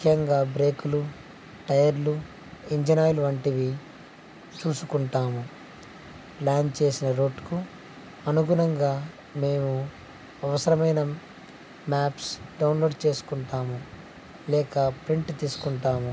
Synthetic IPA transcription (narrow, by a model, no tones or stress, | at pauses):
ukʰːjɐŋɡaːbɾe̞ːkulu | ʈɐjɐɾlu | iɲd͡ʒinaːjluʋɐɳʈiʋi | t͡ʃuːsukuɳʈaːmu | plaːnt͡ʃe̞ːsinɐɾo̞ːɖku | ɐnuɡuɾɐŋɡaː | me̞ːmu | ɐʋɐsɐɾɐmɐjnɐ | maːpsɖɐwnlo̞ːɖt͡ʃe̞ːsu̥kuɳʈaːmu | lɛːkɐpɾiɳʈt̪iːsu̥kuɳʈaːmu